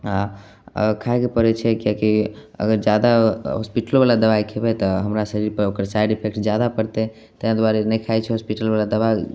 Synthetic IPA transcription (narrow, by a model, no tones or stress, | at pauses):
a̰ | kʰaekepəɾɛt͡ʃʰɛkakiə̰ɡəɾd͡ʒjad̪aɦɔspiʈəlbalad̪əʋaikʰebɛt̪ɔɦəmɾasəɾiɾpəɾokəɾsaiɖipʰek̚ʈd͡ʒjad̪apəɽt̪ɛ | t̪əɦãd̪waɾenɛjkʰaɛt͡ʃʰɛɦospiʈəlbalad̪əβa